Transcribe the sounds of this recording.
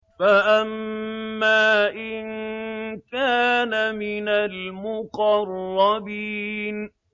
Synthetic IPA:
faʔamː | aːʔɪn | kaːnamɪnalmʊqɑrˤːɑbiːn

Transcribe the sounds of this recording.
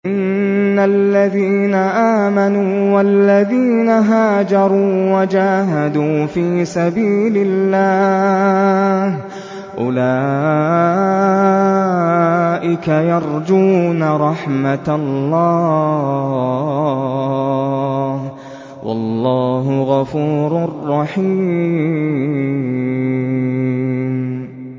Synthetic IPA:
ʔɪnː | alːaðiːnaʔaːmanuːwalːaðiːnaɦaːd͡ʒɑɾˤuːwad͡ʒaːɦad̪uːfiːsabiːlɪlːaː | h | ʔʊ̰laː | ʔɪkajɑɾˤd͡ʒuːnaɾˤɑħmat̪lːɑː | h | wɑ̰lːɑːɦʊɣafuːɾarˤːɑħiː

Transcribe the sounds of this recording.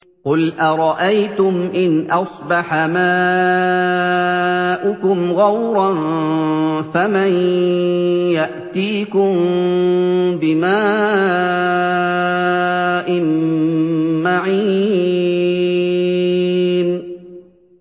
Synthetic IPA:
qʊlʔaɾˤɑʔajt̪ʊmʔɪnʔɑsˤbɑħamaː | ʔʊkʊmɣawɾɑn | faman | jaʔt̪iːkʊm | bɪmaː | ʔɪn | maʕiː | n

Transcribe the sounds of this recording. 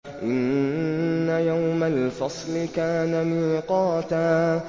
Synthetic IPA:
ʔɪnː | ajawmalfɑsˤlɪkaːnaniːqɑːt̪a

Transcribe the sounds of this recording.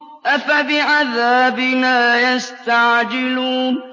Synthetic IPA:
ʔafabɪʕaðaːbɪnaːjast̪aʕd͡ʒɪluːn

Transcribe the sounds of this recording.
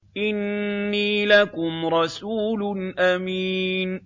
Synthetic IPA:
ʔɪnːiːlakʊmɾˤɑsuːlʊnʔamiːn

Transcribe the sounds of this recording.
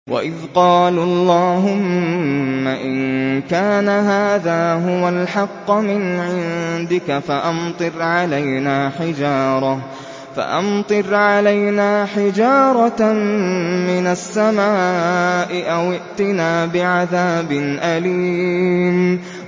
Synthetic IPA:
wa̰ʔɪðqɑːlɑlˤːɑːɦʊmmːaʔɪnkaːnaɦaːðaːɦʊwalħɑqːmɪnʕɪnd̪ɪkafaʔamt̪ˤɨɾʕalajnaːħɪd͡ʒɑːɾˤɑ | fa̰ʔɑmt̪ˤɨɾʕalajnaːħɪd͡ʒɑːɾˤɑ | mɪnasːamaːʔɪʔawɪʔt̪ɪnaːbɪʕaðaːbɪnʔaliːm

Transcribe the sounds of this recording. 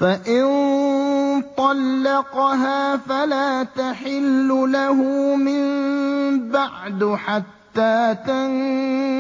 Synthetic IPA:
faʔɪn | t̪ˤɑlːɑqɦaːfalaːt̪aħɪlːʊlaɦʊmɪm | baʕd̪ħat̪ːaːt̪an

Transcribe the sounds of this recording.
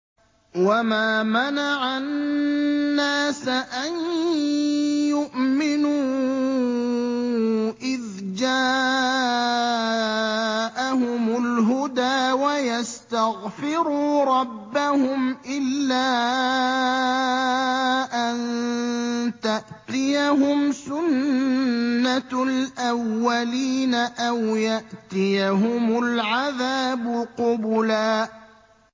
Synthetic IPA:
wamaːmanaʕa | aːsaʔan | jʊʔmɪnuː | ʔɪð | d͡ʒaː | ʔaɦʊmʊlɦʊd̪aːwajast̪aɣfɪɾuːɾˤɑbːahʊmʔɪlːaː | ʔan | t̪aʔt̪ɪjaɦʊmsʊnː | alʔawːaliːnaʔawjaʔt̪ɪjaɦʊmʊlʕaðaːbʊqʊbʊlaː

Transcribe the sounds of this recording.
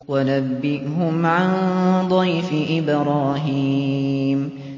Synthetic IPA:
wanabːɪʔɦʊmʕand̪ˤɑjfɪʔɪbɾˤɑːɦi | m

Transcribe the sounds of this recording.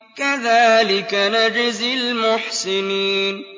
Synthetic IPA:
kaðaːlɪkanad͡ʒɪzɪlmʊħsɪniːn

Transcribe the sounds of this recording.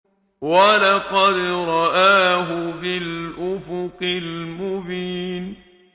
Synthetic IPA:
walɑqɑd̪ɾˤɑʔaːɦʊbɪlʔʊfʊqɪlmʊbiːn

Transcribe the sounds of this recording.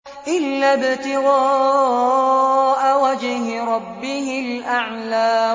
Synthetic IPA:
ʔɪlːaːbɪt̪ɪɣɑː | ʔawad͡ʒɦɪɾˤɑbːɪhɪlʔaʕlaː

